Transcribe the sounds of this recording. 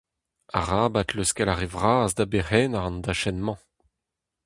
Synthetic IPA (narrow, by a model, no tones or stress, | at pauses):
a̰ʁaːbat̪løskɛlaʁevʁaːzd̪abehɛːnaʁɑ̃ndaʃɛnmɑ̃